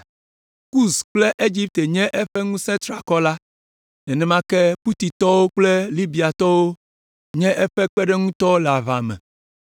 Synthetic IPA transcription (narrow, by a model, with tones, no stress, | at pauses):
ku˦sk͡plɛ˦ʔe˦d͡ʑi˦p̚t̪e˨ɲɛ̃˦ʔɛ˦ɸɛ˦ŋũ˦sɛ̃˦t̪ɾa˨kɔ˦la˦ | nɛ̃˨nɛ̃˦mã˦kɛ˦pu˦t̪i˨t̪ɔ˦wo˦k͡plɛ˦li˦bi˨a˨t̪ɔ˦wo˦ | ɲɛ̃˦ʔɛ˦ɸɛ˦k͡pɛ˦ɖɛ˦ŋũ˦t̪ɔ˦la˨va̰˨mɛ̰̃˨